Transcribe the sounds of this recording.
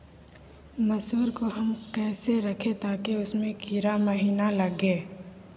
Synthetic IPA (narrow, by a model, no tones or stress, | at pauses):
mɐsuːɾkoɦɐmkɛːseɾɐkʰet̪aːkeʊsmẽkiɾamɐɦiːnalɐɡeː